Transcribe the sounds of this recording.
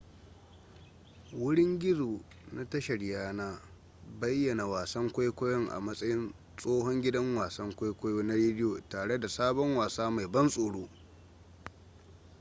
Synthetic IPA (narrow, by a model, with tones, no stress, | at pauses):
wʊ˦ɽɪ˦ŋɡʲɪ˦zoː˨ | na˦tɐ˦ʃɐ˨ɽjaː˦naː˦ | bɐ˦jːɐ˨na˨waː˨sɐ˦ŋkʷa˦jkʷɔ˦jɔ˦ŋʔa̰˨mɐ˦sʼɐ˦jɪ˦n | sʼoː˦hɔ˦ŋɡʲɪ˦dɐ˦ŋwaː˨sɐ˦ŋkʷa˦jkʷa˦joː˦na˦ɾeː˦dɪ˦joː˨taː˨ɽe˦da˨saː˦bɔ˦ŋwaː˨saː˦ma˨jbɐ˦nsʼoː˨ɽoː˦